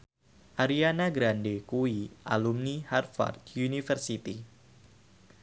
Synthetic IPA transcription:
ʔaɾianaɡɾandekuiʔa̰lumniharfa̰rt̪junifərsit̪i

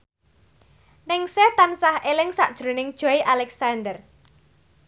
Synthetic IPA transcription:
nɪŋseht̪ansahelɪŋsaʔd̥ʒ̥ɾonɪŋd̥ʒ̥oiʔalɛksand̪ər

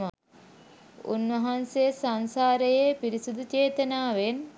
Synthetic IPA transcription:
a | ṵnʋɐɦansejsansaːɾəjepiɾisud̪ut͡ʃeːt̪ənaːʋen

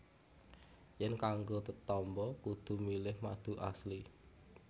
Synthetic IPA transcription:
jɛnkaŋɡot̪ət̪ɔmbɔkud̪̥ṳmilɪhma̰d̪̥ṳʔa̰sli

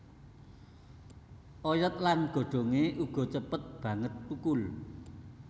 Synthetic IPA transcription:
ʔɔjɔt̪̚lanɡ̥o̤ɖ̥o̤ŋeʔuɡ̥ɔ̤t͡ʃəpət̪̚b̥ä̤ŋət̪̚pukʊl

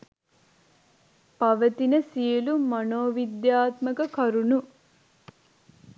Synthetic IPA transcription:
pɐʋət̪inəsielumɐnoːʋid̪jaːt̪mɐkəkɐɾunu

